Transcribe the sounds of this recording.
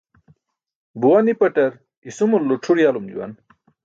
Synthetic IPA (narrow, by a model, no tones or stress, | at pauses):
buwanipɐʈɐɾ | isumulːoʈ͡ʂʰuɽijalumd͡ʑṵwɐ̰n